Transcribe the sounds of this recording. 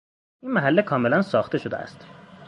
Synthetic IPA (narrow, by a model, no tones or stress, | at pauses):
ʔinmæɦælːekʰɒːmelænsɒːxt̪e̞ʃod̪ḛæ̰st̪